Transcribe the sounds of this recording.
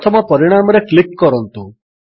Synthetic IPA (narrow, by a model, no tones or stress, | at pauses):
t̪ʰɔmɔpɔɾiɽ̃amɔɾeklip̚kɔɾɔnt̪u